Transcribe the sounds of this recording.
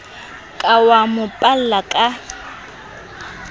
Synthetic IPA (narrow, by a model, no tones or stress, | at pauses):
kʼawamʊpʼal̩lakʼa